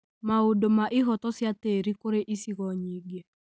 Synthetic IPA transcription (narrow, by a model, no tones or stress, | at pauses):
maodomaʔɪɦɔtɔsjateɾikoɾeʔisiɣɔɲiɡe